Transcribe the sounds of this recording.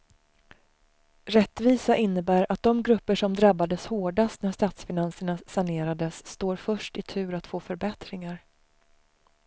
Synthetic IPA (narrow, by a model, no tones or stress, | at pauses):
ɾɛt̪ːviːsaʔɪnːəbæːɾat̪̚d̪ɔmɡɾɵpːəʂɔmd̪ɾabːad̪əshoːɖast̪næʂst̪aːt̪sfɪnansəɳasaneːɾad̪əsːt̪oːɾfœʂʈɪt̪ʰʉ̟ːɾat̪foːfœɾbɛt̪ɾɪŋaɾ